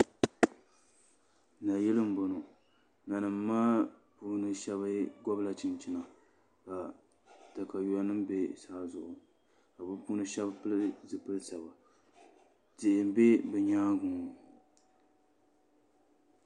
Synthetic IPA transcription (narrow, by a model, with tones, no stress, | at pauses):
na˨jɛ˦lɨ˦m̩˦bo˨no˨ | na˨nɨ˨mː˦aː˦ | puː˦nɨ˦ʃɛ˦βɨ˦ɡɔ˦bla˨t͡ʃɪ˨nt͡ʃɪ˦na˨ | ka˨ | ta˨ka˨jɔ˦nɨ˦mbe˦saː˦zʊ˨ʔʊ˨ | ka˨bɨ˦puː˦nɨ˦ʃɛ˦bpɨ˦lzɨ˨pɨ˦lsa˨ba˨ | tɪ˨ʔɪ˨m˦be˦bɨ˨ɲaː˦ɡʊ̃˨